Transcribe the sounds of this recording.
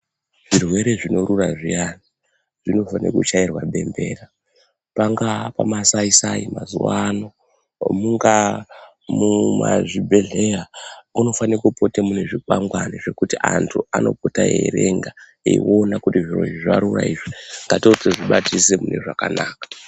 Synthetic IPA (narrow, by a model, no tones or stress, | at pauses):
ʐ̥irwe̞ɾe̞ʐino̞ɾuraʐijani | ʐ̥ino̞fanikut͡ʃairwaɓe̞mbe̞ːra | paŋɡapamasaisaima̰zuwano | muŋɡa | mumaʐibʱe̞ɮejauno̞fanikupotemune̞ʐikwaŋɡwaniʐe̞kutiʔantʰuano̞̰potajḛɾe̞ŋɡa | ḛḭonakutiʐirwo̞̰iʐaɾuraiːʐiŋɡatoteʐiɓatise̞mune̞ʐakanaːkḁ